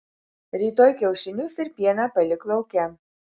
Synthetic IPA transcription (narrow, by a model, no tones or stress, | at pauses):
ɾʲiːt̪oːjkʲɛʊʃʲɪnʲʊsɪɾpʲiɛnɑpɐlʲɪklˠɐʊkʲɛ